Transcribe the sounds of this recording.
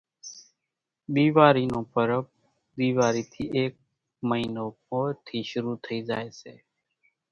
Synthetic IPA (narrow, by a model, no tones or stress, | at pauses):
ɗ̪iːʋaːɾiːnõːpəɾəp | ɗ̪iːʋaːɾiːt̪ʰiːʔeːk̚ | məɦiːnoːpoːɾt̪ʰiːʃʊɾuːt̪ʰəiːd͡ʒaːeːsḛː